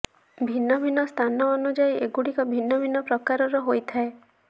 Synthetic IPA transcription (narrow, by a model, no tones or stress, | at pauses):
bʱinːɔbʱinɔst̪ʰanɔːnud͡ʒajeɡuɽikɔbʱinːɔbʱinːɔpɾɔkaɾɔɾɔɦojt̪ʰae